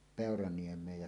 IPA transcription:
peˑorɑniemˑeːj jɑ

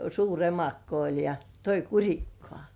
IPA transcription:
suːr emɑkːo olʲ jɑ toi kurʲikːŏɑˑ

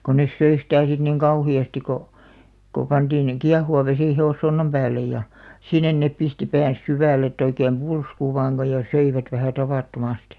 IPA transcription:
ko nes søi sitæˑ sit niŋ kɑuhiɑsti ko ko pɑnd̥iːn kiɑhuʋɑ ʋesiˑ heosːonːɑm pæːlːej jɑ sinːen nep̆ pisti pæːn̞s syʋæˑlĕ etˑ oikeːm pulsku ʋɑːŋ ɡ̊o jɑ søiʋæt ʋæhæˑ tɑʋɑˑtːomɑsti̥

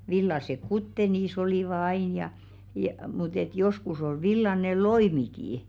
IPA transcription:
ʋilːɑsek kutːe niːs oliˑʋɑ ɑin jɑ jɑ mut et joskus ol ʋilːɑne loimikiː

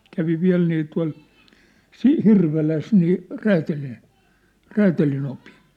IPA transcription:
kæʋi ʋiæ̝l niː tuɑ̝l si hirʋelæs niː ræːtælin̞ ræːtælinopi̥n̥

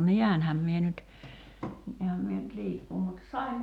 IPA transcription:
niænhæm mie nyt niæhæm mie nyt liːkːuː mut sɑim

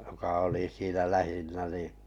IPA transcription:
jokɑ oliˑ siːnæ læhinːæ ni

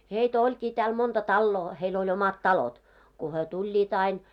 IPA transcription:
heitæ olʲkiː tæːl montɑ tɑlːoː heil olʲ omɑt tɑlot ku hyø tulʲːiːt ɑin

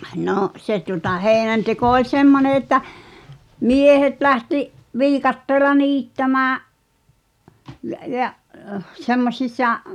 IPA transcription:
noˑʔ se tuŏtɑ heːĭnænteko olʲ semːone etːæ miehet læhtiʔ ʋiːkɑtːeːlɑ niːtːæmæːʔ jæʔ jæʔ semːosʲisˑɑ

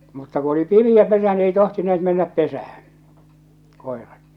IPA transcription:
mutːɑ ku oli pimiæ pesæ ni ei tohtineːt menːæp pesæhæ̥n̥ koˑerɑt

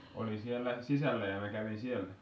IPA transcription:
oli sielːæ sisælːæ jɑ mæ kæʋin sielæ

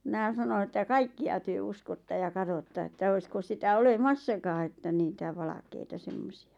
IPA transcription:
mĭnæ sɑno etːæ kɑikːiɑ tyø uskotːɑ jɑ kɑtotːɑ etːæ oisko sitæ olemɑsːɑkɑː etːæ niːtæ ʋɑlɑ̆keitɑ semːosiɑ

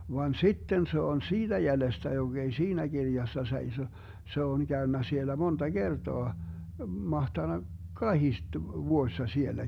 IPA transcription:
ʋɑn sitːen se on siːd̥æ jælestæ joɡ̊ ei siːnæ ɡ̊irjɑsːɑ seiso se on kæønːæ sielːæ montɑ ɡ̊ertoɑ mɑhtɑnɑk kɑhiste ʋuoĭsːɑ sielːæ

